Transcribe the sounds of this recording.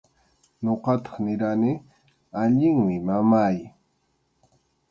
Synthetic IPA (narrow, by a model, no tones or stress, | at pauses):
ɲoqɑt̪ɑ̥χnɪɾanɪ | aʎɪŋmɪmamaj